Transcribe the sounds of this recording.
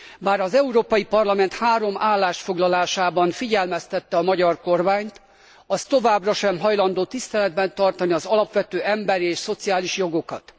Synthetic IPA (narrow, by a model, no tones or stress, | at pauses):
baːɾɒzɛuɾoːpɒjipɒrlɒmɛnt̪haːɾo̞mʔaːlːaːʃfo̞ɡlɒlaːʃaːbɒnfiɟɛlmɛst̪ɛt̪ːɛɒmɒɟɒrko̞rmaːɲt̪ | ɒst̪o̞vaːbrɒʃɛmɦɒjlɒnd̪oːt̪ist̪ɛlɛd̪bɛnt̪ɒrt̪ɒniɒzɒlɒpʋɛt̪øːɛmbɛɾieːʃso̞t̪sijaːliʃjo̞ɡo̞kɒt̪